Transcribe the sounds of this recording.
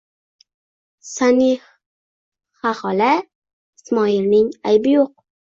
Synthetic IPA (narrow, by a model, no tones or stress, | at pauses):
sani | χaχɒla | ɪsmɒɪɾnɪŋajbɪjoq̚